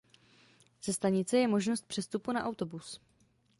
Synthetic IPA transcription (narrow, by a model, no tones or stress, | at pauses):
z̥ɛst̪aɲɪt͡sɛjɛmo̞ʒnost̪̚pr̝̥ɛst̪upunaʔawt̪o̞bus